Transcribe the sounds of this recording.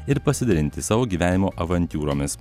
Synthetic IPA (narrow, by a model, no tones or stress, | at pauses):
ɪɾpɐsʲɪd̪ɐɾʲɪnʲt̪ʲɪsɑːʋoːɡʲiːʋʲæːnʲɪmoːʔɐʋɐnʲt̪ʲuːɾoːmʲɪs